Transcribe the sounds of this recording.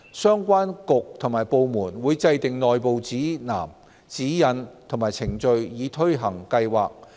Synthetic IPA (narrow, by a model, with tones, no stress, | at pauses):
sœː˥ŋkʷaː˥nkʊ˨k̚t̪ʰʊ˨˩ŋmaː˨˩jpo˨wmuː˨˩nwuː˨˧jt͡sɐ˧jt̪ɪ˨ŋnɔː˨jpo˨wt͡siː˨˥na̰ː˨˩m | t͡siː˨˥jɐ˨˧nt̪ʰʊ˨˩ŋmaː˨˩jt͡sʰɪ˨˩ŋt͡ʃɵ˧ɥjiː˨˧t̪ʰɵ˥ɥɦɐ˨˩ŋkɐ˧jwaː˨k̚